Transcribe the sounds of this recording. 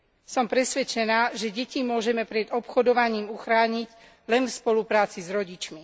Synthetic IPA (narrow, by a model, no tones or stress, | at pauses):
sɔmpɾɛsʋɛt͡ʃɛnaːʒɛɟɛcimʊɔʒɛmɛpɾɛd̪ɔpxɔd̪ɔʋaɲiːmuxɾaːɲiɟ | lɛnfspɔlupɾaːt͡sizɾɔɟit͡ʃmi